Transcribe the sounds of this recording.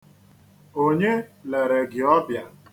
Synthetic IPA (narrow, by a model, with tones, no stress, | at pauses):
o˦ɲe˦le˨ɾe˨ɡɪ˨ɔ˦bja˨